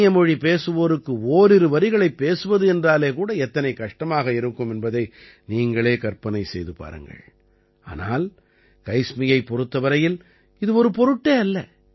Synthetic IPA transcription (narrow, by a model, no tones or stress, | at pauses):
jɐmɔɻipeːsɯʋoːɾɯkːɯoːɾɪɾɯʋɐɾɪɣɐɭɐɪpːeːsɯʋɐðɯɛndraːleːkuːɽɐɛt̪ːɐnɐɪkɐʂʈɐmaːɣɐɪɾɯkːɯmɛnbɐðɐɪ | niːŋɡɐɭeːkɐrpɐnɐɪsɛjðɯpa̰ːɾɯ̰ŋɡɐ̰ɭ | a̰ːnaːl | kɐɪsmɪjɐɪpːɔɾɯt̪ːɐʋɐɾɐjɪl | ɪðɯɔɾɯpɔɾɯʈːeːɐlːɐ